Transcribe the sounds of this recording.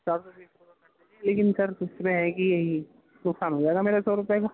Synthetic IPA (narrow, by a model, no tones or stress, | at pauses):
t͡ʃaːɾoisɔɾʊpɐɛɛ̃leːkɪnsɐɾʊsmẽɦɛkijɐɦi | nʊksaːnɦoːd͡ʒaːeɡameːɾasɔːɾʊpɛɡaː